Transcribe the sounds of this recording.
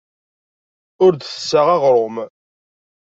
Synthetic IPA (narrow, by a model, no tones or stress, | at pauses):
ʊɾd̪θəsːaʁæʁɾˤʊm